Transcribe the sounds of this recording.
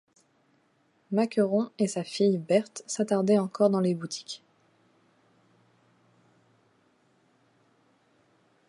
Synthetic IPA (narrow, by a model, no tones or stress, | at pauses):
makəʁɔ̃esafijbɛʁt̪sat̪aʁd̪ɛɑ̃kɔʁd̪ɑ̃lebut̪ʰi̥k